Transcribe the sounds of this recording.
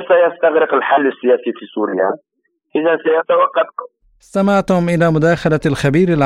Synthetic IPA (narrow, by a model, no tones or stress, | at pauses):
sajast̪aɣɾɪqɪlħalːɪsːɪjæːsifisuːɾɪja̰ | ʔɪðansajat̪awɑqːɑfkʊ | ɪst̪amaʕt̪ʊmʔɪlaːmʊd̪aːxalalxabiːɾalʕ